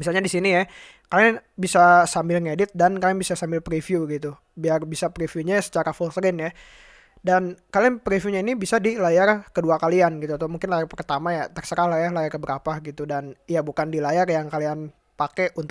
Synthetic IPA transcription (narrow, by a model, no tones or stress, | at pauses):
mis̬alɲadisinija | kalaŋbisasambɪlŋedɪt̪̚dankalijaŋbisasambɪlpɾifjuɡit̪u | biarbisapɾifijuɲasə̥t͡ʃaɾafɔlsəɾɪnja | dankalianpɾifiuɲainibisadilajarkəduakalianɡit̪ut̪omuŋkɪnlajarpərt̪amajat̪ərsəɾahlajahlajarkəbəɾapaɡit̪udanijabukandilajarjaŋkalian | pakɛʔunt̪